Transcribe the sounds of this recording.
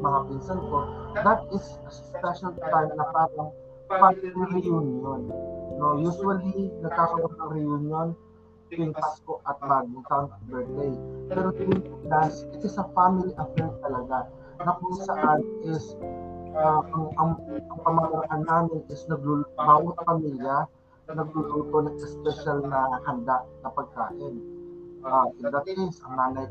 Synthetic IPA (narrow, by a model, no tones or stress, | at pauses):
mɐhapinsɐnko̞d̪ɐt̪̚ɪs | ɐspɛʃɐlt̪ajnnɐpaːɾɐŋ | faɪliɾɛjunjonːojuːswɐlinɐɡ̚kak̪ɐʔonɐŋɾɪjunjon | t̪ʊɪŋpaskoʔɐt̪̚maːd̪ɪŋt̪awnbɛt̪̚d̪ejpɛːɾot̪ɪŋpod̪ansɛt̪osɐfamɪliʔɐfɛɹt̪̚t̪ɐlɐɡa | nɐkoŋsɐʔanʔɪs | akʊŋʔɐŋɐŋpɐmɐmɐɾɐʔanːaːmɪnɪsnɐɡ̚lulbaːwt̪̚pɐmiljɐ | nɐɡ̚luluːt̪onɐŋʔɛspɛʃalnɐhɐnd̪aʔnɐpɐɡ̚ka̰ːʔɪnʔaʔɪnd̪ɐt̪̚kejsʔɐŋnaːnɐj